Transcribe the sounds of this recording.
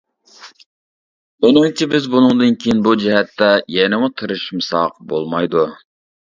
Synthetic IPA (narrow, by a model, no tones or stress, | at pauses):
onɨŋt͡ʃʰibɪzbunɨŋd̪ɨnkʲʰejinbud͡ʒɛɦɛt̪ːɛjɛnɪmut̪ʰɨɾɨʃmsɑqbo̰lˠmɑjd̪u